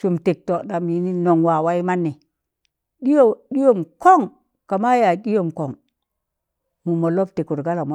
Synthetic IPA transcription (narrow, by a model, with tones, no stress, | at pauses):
su˨mte˨k̚to˨ɗa˨mji˨ni˦no˨ŋwa˨wa˦i˦ma˦nːi˨ | ɗi˦o˦˨ɗi˦jo˦˨mko˦˨ŋ | ka˨ma˦ja˨ɗi˦jo˨mko˨ŋ | mu˨mo˨lo˦p̚te˨ku˨ɾɡa˦la˨m˦